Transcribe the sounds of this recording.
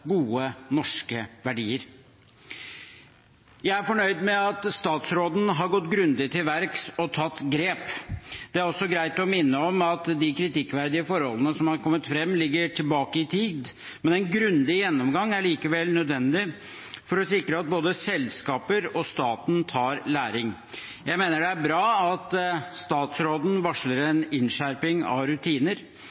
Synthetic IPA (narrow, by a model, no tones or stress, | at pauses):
ɡuːənɔʂkəʋæɖiːəɾ | jæɪæɾfɔɳœʏd̪mɛɑt̪st̪ɑːt̪sɾoːd̪n̩ɦɑɾɡɔt̪ːɡɾʉnd̪ɪt̪ɪlʋæɾksɔt̪ʰɑt̪ːɡɾeːpd̪̥ɛæɾɔsːɔɡɾæɪt̪ɔmɪnːəɔmɑt̪d̪ɪkʰɾɪt̪ɪkːʋæɾd̪ɪəfɔɾhɔlːənəsɔmhɑɾkʰɔmːət̪fɾɛmːlɪɡːəʈʰɪlbɑːkəɪt̪ʰiːd̪ | mɛnɛɪnɡɾʉnd̪ɪjɛnːɔmɡɑŋːæɭiːkəʋɛlnœd̪ʋɛnd̪ɪ | fɔɾɔsɪkɾəɑt̪̚boːd̪əsɛlskɑːpəɾɔst̪ɑːt̪n̩t̪ʰɑːɾlæːɾɪŋ | jæɪmeːnəɖɛæɾbɾɑːɑt̪st̪ɑːt̪sɾoːd̪n̩ʋɑʂləɾɛnɪnʂæɾpɪŋɑ̰ɾʉt̪ʰiːnəɾ